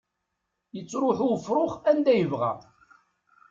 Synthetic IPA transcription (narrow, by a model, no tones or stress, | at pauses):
jət͡sːɾʊħʊfɾˤʊχænd̪æjəvʁæ̰